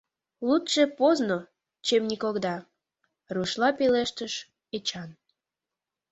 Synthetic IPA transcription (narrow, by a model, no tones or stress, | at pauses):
lut̪ʃe̽pozno | t͡ɕemnikoɣd̪ɑ | ruʃlɑpeleʃt̪əʃ | et͡ɕɑn